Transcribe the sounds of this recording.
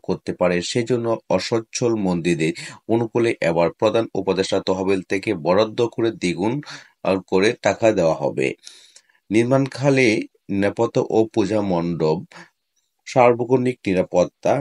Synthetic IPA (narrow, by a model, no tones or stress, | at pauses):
koɾt̪epaɾeʃed͡ʑonːoɔʃɔtːɕʰolmond̪id̪eɾonukoleʔɛbaɾpɾod̪ʱanṵpod̪eʃʈat̪ɔɦabilt̪ʰekebɔɾod̪ʱːokoɾed̪iɡun | koɾeʈakʰad̪eoaɦɔ̰bḛ | niɾmankʰale | nɛpot̪oʔopud͡ʑʱamɔnɖob̚ | ʃaɾbʱokonik̚niɾapot̪ːa